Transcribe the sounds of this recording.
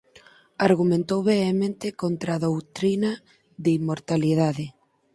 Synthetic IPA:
aɾɣumẽnt̪owβeːmẽnt̪ɪkont̪ɾaðowt̪ɾina | ðeimːoɾt̪alið̞aðɪ

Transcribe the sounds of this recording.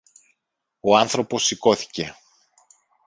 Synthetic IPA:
o̞ɐnθɾo̞po̞sːiko̞θi̥ce̞

